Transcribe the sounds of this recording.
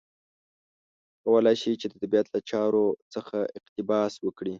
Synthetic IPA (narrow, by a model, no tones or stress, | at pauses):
kawəlɑjʃit͡ʃed̪əd̪abijat̪lat͡ʃɑɾot͡səxaɪqt̪ɪbɑswəkɽi